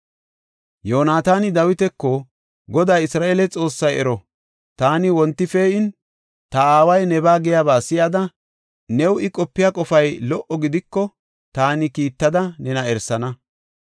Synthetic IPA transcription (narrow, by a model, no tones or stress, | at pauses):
joːnaːt̪aːnɪd̪ɐwɪt̪ɛkːɔ | ɡɔd̪aːɪsɾaːʔeːlɛt͡sʼo̞ːsːɐjɛɾɔ | t̪aːnɪwɔnt̪ːɪfeːɪn | t̪ɐaːwɐjnɛbaːɡɛjaːbaːsɪjad̪ɐ | nɛwɪkʼɔpːɪjaːkʼɔfɐjlɔʔɔɡɪd̪ɪkːɔ | t̪aːnɪkiːt̪ːɐd̪ɐnɛnɐɛɾsɐnɐ